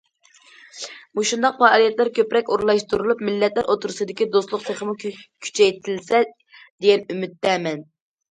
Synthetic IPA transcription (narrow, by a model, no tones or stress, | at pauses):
muʃund̪ɑq̚pɑːlˠijɛt̪læɾkʲøpɾɛkʲoɾlˠɑʃt̪uɾulˠupmɪlːɛt̪læɾʔot̪ʰuɾɨsɨd̪ɪkʲid̪oslˠʊqseχəmukʲʰy̥t͡ʃʰɛjt̪ʰɪlsɛ | d̪̥eɡʲɛnymyt̪ːɛmɛn